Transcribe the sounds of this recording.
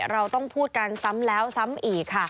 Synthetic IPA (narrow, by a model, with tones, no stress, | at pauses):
ɾa˧wt̪ɔ˥˩ŋpʰuː˥˩t̪̚ka˧nsa˦˥mlɛː˦˥wsa˦˥mʔiː˨˩kʰːa˥˩